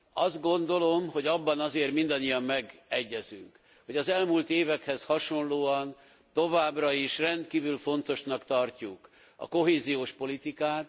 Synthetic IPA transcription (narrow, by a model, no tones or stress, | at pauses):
ɒzd̪̚ɡo̞nd̪o̞lo̞mho̞ɟɒbːɒnɒzeːrt̪mind̪ɒɲːijɒmːmɛɡɛɟːɛzy̰ŋk | ho̞ɟɒzɛlmuːlt̪eːvɛkhɛshɒʃo̞nloːɒn | t̪o̞vaːbrɒiʃrɛnt̪kiːvylfo̞nt̪o̞ʃnɒkt̪ɒrcuk | ɒ̰ko̞ɦeːzijoːʃpo̞lit̪ikaːt̪